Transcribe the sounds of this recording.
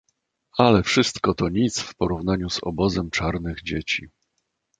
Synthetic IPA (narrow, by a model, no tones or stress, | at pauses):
alɛfʂɘst̪kɔt̪ɔɲit̪sfpɔɾuvnaɲuz̥ɔ̰bɔzɛmt͡ʂaɾnɘɣd͡ʑet͡ɕi